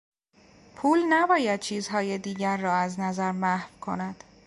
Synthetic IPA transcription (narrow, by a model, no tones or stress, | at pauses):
pʰuːlnæbɒːjæd̪̚t͡ʃʰiːzɦɒːjed̪iːɟæɾːɒːæznæzæɾmæhvkʰo̞næd̪̥